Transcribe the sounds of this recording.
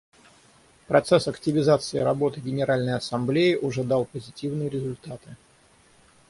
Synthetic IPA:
pɾɐt̪sɛsɐktʲɪvʲɪzat̪sɨɪɾɐbo̞t̪ɨɡʲɪnʲɪɾalʲnəjɐsɐmblʲejɪʔʊʐɛd̪alˠpəzʲɪtʲivnɨjəɾʲɪzʊlʲt̪at̪ɨ

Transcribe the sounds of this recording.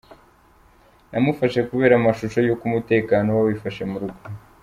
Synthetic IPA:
nʔamufaʃe̞kuβe̞ːɾamaʃuʃo̞jo̞kumute̞ːkaːno̞wawifaʃe̞muɾuɡo

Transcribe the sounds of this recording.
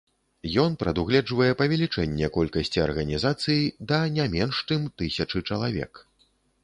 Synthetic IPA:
jɔnpɾɐd̪uɣlʲɛd͡ʐvɐjɛpɐvʲɛlʲit͡ʂɛnʲːɛkɔlʲkɐsʲt͡sʲiɐ̰rɣɐnʲizat̪sɨjid̪ɐnʲamʲɛnʂt͡ʂɨmt̪ɨsʲɐt͡ʂɨt͡ʂɐlˠavʲɛ̰k

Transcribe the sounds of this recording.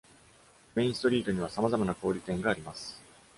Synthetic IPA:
mẽ̞ĩst̪o̞ɾʲiːt̪o̞ɲ̟iβ̞asamazamanako̞ːɾʲit̪ẽ̞ŋɡaːɾʲimasɨ̥

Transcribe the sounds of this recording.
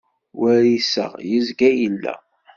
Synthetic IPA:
wæɾisə̰ʁjəzɡæjəlːæ̰

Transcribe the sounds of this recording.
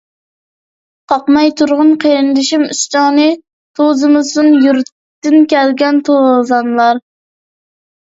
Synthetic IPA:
qʰɑqmɑjt̪ʰuɾʁʊnqʰeɾɪnd̪ɪʃimyst͡ʃɑnɨ | t̪ʰozɨmɨzɨnjuɾt̪ː | ɪnkʲɛlɡʲɛnt̪ʰozɑnlˠɑɾ

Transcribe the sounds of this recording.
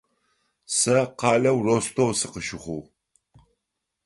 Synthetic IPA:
sɐqɑːlɐwrost̪ʰowsɨqəʃɪχʷuw

